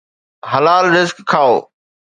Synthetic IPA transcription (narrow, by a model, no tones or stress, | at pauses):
ɦɐlaːlɾɪzkkʰːaːoː